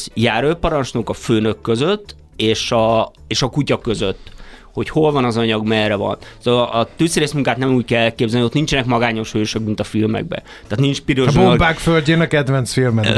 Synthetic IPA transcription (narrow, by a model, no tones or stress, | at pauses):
jaːɾøːpɒɾɒnt͡ʃnokɒføːnøkːøzøt̪ː | eːʃɒ | eːʃɒkucɒkøzøt̪ːho̞cho̞lvɒnɒzɒɲɒɡmɛrɛvɒ̰nsoʔɒt̪øːsɾeːsmuŋkaːt̪nɛmuːc̚kɛlɛlkeːbzɛlniot̪nint͡ʃɛnɛkmɒɡaːɲo̞ʃhøːʃøk̚mint̪ɒfilmɛ̰ɡ̚bɛ̰ | t̪aːt̪nint͡ʃpiɾoʒbobaːkfølʲɟeːnɒkɛd̪vɛnt̪sfilmɛn